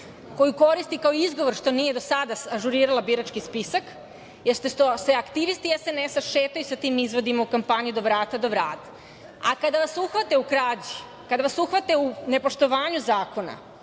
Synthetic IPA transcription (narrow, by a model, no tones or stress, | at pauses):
ko̞juko̞ɾist̪ikaoizɡo̞ʋoɾʃt̪o̞nije̞d̪o̞sad̪aaʒuɾiːɾalabiɾat͡ʃkispisak | jeɾst̪est̪oseakt̪iʋist̪iesenesaʃeːt̪ajusat̪iːmizʋo̞d̪imaukampaɲid̪o̞ʋɾaːt̪ad̪o̞ʋɾaːt̪ḁ | akad̪aʋasuxʋat̪eukɾaːd͡ʑi | kad̪aʋasuxʋat̪eune̞po̞ʃt̪o̞ʋaːɲuzaːko̞na̰